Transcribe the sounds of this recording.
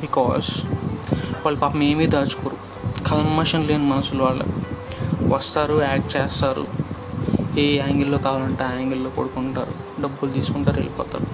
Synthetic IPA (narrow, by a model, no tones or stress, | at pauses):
bikɔ̰ːz | ʋaːɭːɐpaːpɐmeːmiːd̪aːt͡ʃu̥koːɾu | kʰɐlmmɐʂɐnleːnimɐnɐsuluʋaːɭːɐ̰ | ʋɐst̪aːɾuaːk̚ʈ̚t͡ʃeːst̪aːɾṵ | eːaːŋɡelloːkaːʋaːlɐɳʈeːaːŋɡelːoːkoːɽukuɳʈa̰ːɾu | ɖɐbːult̪iːsu̥kuɳʈaːɾḛlipɔ̰ːt̪a̰ːɾu